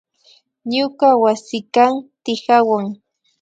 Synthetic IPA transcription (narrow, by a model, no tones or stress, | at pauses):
ɲʊkawasɪkant̪ɪhawaŋ